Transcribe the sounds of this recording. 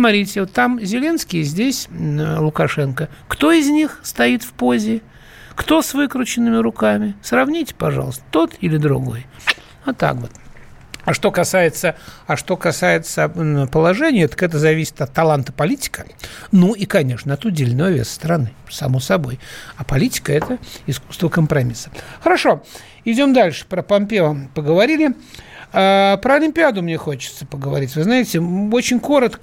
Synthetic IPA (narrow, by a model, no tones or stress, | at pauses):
smɐɾʲitʲɪot̪ːamzʲɪlʲe̞nskʲɪjəzʲdʲesʲlˠʊkɐʂɛnkəkt̪o̞ɪzʲnʲixst̪ɐit̪fpozʲɪ | kt̪o̞svɨkɾʲʊt͡ɕɪnːɨmʲɪɾʊkamʲɪsrɐvnʲitʲɪ̥pɐʐɑ̰lˠəst̪ə̥t̪o̞t̪ilʲɪd̪ɾʊ̰ɡo̞̰j | ɐt̪ːa̰kvo̞t̪ | ɐʂt̪o̞kɐsajɪt̪səɐʂt̪o̞kɐsajɪt̪səpəlˠɐʐɛnʲɪjət̪ə̥kɛt̪̬əzɐvʲisʲɪ̥t̪ɐt̪ːɐlˠant̪ə̥pɐlʲitʲɪ̥kə | nuikɐnʲe̞ʂnəɐt̪ʊdʲelʲnəvəvʲesst̪əɾɐnɨsɐmosɐbo̞jɐpɐlʲitʲɪ̥kəɛt̪əɪsku̥st̪vəkəmpɾɐmʲisə̥xəɾɐʂo̞ | ɪdʲo̞md̪alʲʂɨ̥pɾəpɐmpʲevəpəɡəvɐɾʲilʲɪ | apɾəɐlʲɪmʲpʲɪad̪ʊmnʲexo̞t͡ɕɪ̥t̪səpəɡəvɐ̰ɾʲitʲvɨznajɪtʲɪo̞t͡ɕɪnʲko̞ɾət̪kə